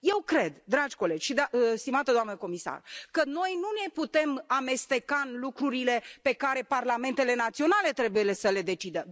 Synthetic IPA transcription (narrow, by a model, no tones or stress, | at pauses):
je̞wkɾe̞d̪d̪ɾad͡ʒʲko̞le̞d͡ʒʲʃid̪ast̪imat̪əd̪oamnəko̞misa̰rkəno̞jnune̞put̪e̞mame̞st̪e̞kanlukɾuɾile̞pe̞kaɾe̞parlame̞nt̪e̞le̞nat̪sio̞nale̞t̪ɾe̞bujele̞səle̞d̪e̞t͡ʃid̪ə